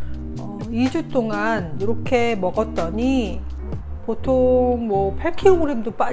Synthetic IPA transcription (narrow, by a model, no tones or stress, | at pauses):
ʌ | id͡ʑut͈oŋaniɾʌkʰe̞mʌɡʌt̚t͈ʌɲi | potʰoŋmwʌpʰaɭkʰioŋɾemdop͈a